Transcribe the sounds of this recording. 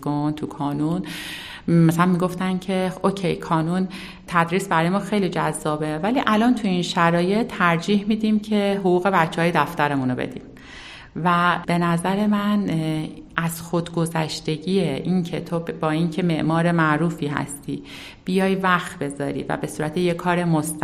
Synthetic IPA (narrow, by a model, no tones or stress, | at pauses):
ɡont̪ʰukʰɒːnun | mæsælænmiɡo̞ft̪æncʰe̞ocʰejkʰɒːnun | t̪ʰæd̪ɾiːsbæɾɒːjemɒːxe̞jliːd͡ʒæzːɒːbe̞væliːʔælɒːnt̪ʰuinʃæɾɒːje̞t̪ʰːæɾd͡ʒiːhmid̪imcʰe̞ɦoɣuːɣe̞bætt͡ʃʰːɛɒːjed̪æft̪æɾemuno̞be̞̰d̪ḭːm | væb̥e̞næzæɾe̞mæn | ʔæz̥xo̞d̪ɡo̞zæʃt̪e̞ɟiːjeʔiŋcʰe̞̰t̪ʰobɒːincʰe̞me̞ʔmɒːɾemæʔɾuːfiːɦæ̰st̪iː | b̥ijɒːjvæxt̪be̞zɒ̰ːɾḭːvæ̰be̞suːɾæt̪ʰejekʰɒːɾe̞most̪